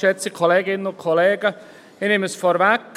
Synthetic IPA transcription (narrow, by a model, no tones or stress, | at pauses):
ʃɛt͡sikʰoleːɡɪnənʊn̚kʰoleːɡə | ɪnɪməsfɔɾʋɛk